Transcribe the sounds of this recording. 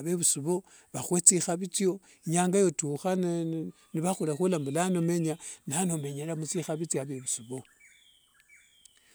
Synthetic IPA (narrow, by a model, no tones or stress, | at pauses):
βeβusuβo̞ | βaxwet͡sixaβit͡sjo̞ | iɲaːŋɡajo̞tuxan | niβaxulaxulaːmbulanome̞ɲanano̞me̞ɲelamut͡sixaβit͡sjaβeβusuβo̞